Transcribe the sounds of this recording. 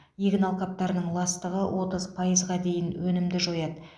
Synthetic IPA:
jeɡʲɪnɑlˠqɑp̚t̪ɑɾənəɴlˠɑst̪əʁəwʔo̞t̪əzpʰɑjəzʁɑd̪e̞jɪnwɵnɪmd̪ɪʒojɑd̪ə

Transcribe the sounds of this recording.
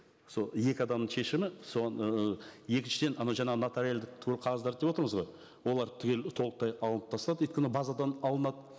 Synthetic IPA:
so̞je̞kʲɪɑd̪ɑmnəɴʃe̞ʃɪmɪso̞ʁɑnje̞kʲɪnʃɪd̪e̞nɑnɑwʒɑɴɑʁənat̪aɾjald̪ɪk̚t̪ʰʏkʰʲelqʰɑʁɑzd̪ɑɾd̪d̪e̞pwo̞t̪əɾəməzʁo̞j | wo̞lˠɑɾt̪ʰʏɡʲelt̪ʰo̞lˠəq̚t̪ɑjɑlˠənəpt̪ʰɑst̪ɑd̪əʏjt̪kʲenbɑzɑd̪ɑnɑlˠənɑd̪ə

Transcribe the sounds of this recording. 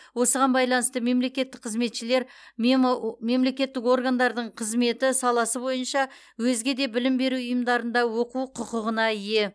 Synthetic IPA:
wo̞səʁɑnbɑjlˠɑnəst̪əme̞mle̞kʲe̞t̪ːɪk̚qʰəzme̞t̪ʃɪle̞ɾ | me̞mle̞kʲe̞t̪ːɪko̞rɡand̪ɑɾd̪əɴqʰəzme̞t̪ɪsɑlˠɑsəbo̞jənʃɑ | wɵzɡʲe̞d̪e̞bɪlɪmbe̞ɾuʊjəmd̪ɑɾənd̪ɑwo̞quqʰʊqəʁənɑɪje̞

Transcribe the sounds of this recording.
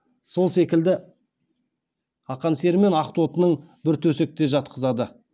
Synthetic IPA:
so̞lˠse̞kʲɪld̪ɪ | ɑqɑnse̞ɾme̞nɑqt̪ot̪ənəɴ | bɪɾt̪ʰɵse̞k̚t̪e̞ʒɑt̪̚qʰəzɑd̪ə

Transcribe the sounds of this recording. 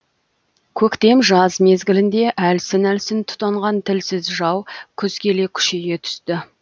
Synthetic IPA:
kʲʰɵkt̪e̞mʒɑzme̞zɡʲɪlɪnd̪e̞ʔælsɪnælsɪnt̪ʰʊ̥t̪ɑɴʁɑnt̪ʰɪlsɪzʒɑwkʲʰʏz̥kʲʰe̞le̞kʲʰʏ̥ʃe̞ɡʲe̞t̪ʰʏ̥st̪ɪ

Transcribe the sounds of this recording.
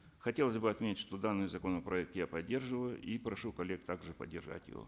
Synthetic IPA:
xɐtʲe̞lˠəzʲbɨɐt̪mʲetʲɪtʲʂt̪o̞d̪anːɨjzɐkonəpɾɐɛk̚t̪japɐdʲːe̞rʐɨvəjʊʔipɾɐʂukɐlʲːek̚t̪aɡʐɨpə̰dʲːɪrʐa̰tʲjɪ̰vo̰

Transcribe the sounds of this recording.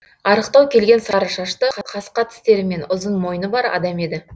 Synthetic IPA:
ɑɾəqt̪ɑwkʲʰe̞lɡʲe̞nsɑɾəʃɑʃt̪əqʰɑqʰɑsqɑt̪ʰɪ̥st̪e̞ɾɪme̞nʊzənmo̞jənəbɑɾɑ̰d̪ɑme̞d̪ɪ

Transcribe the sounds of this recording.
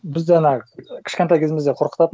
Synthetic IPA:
bɪzd̪enɑkʲʰɪ̥ʃkʲet̪ɑjkʲʰezɪmɪzd̪eqʰo̞ɾqə̥t̪ɑt̪

